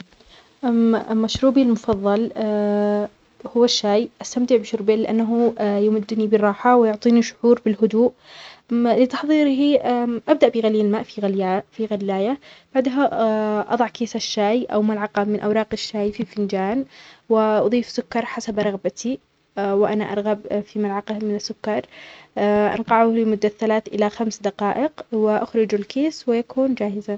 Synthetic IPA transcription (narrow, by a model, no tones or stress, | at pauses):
ʔalmaʃɾuːbilmʊfɑðˤːɑl | hʊwːaʃːaːjʔast̪amt̪ɪʕbɪʃʊɾbelɪʔanːaɦʊjʊmɪd̪ːnibɪrˤːɑːħawɪjʊʕt̪ˤiːniʃʊ̥ħuːɾbɪlɦʊd̪uːʔ | lɪt̪ɑ̥ħðˤiːɾɦiʔʔab̚d̪aʔbɪɣaljalmaːʔfiɣfiɣalːaːjab̥aʕd̪ɦaʔɑ̰ðˤɑʕkeːsaʃːaːjʔa̰wmalʕɑqɑmɪnʔa̰wɾˤɑːqɪʃːaːjfifɪnd͡ʒaːnwɪʔɑ̰ðˤiːfsʊkːɑɾˤħasabɾˤɑɣbat̪ʰi | wɪʔanaʔɑ̰ɾˤɣabfimalʕɑqɑmɪnɪsːʊkːɑɾˤ | ʔɑ̰nqɑʕulɪmʊd̪ːaθalaːt̪ʔɪ̰laxamsd̪ɑqɑːʔɪqwɪʔaxɾɪd͡ʒalkeːswɪjakuːnd͡ʒaːhɪza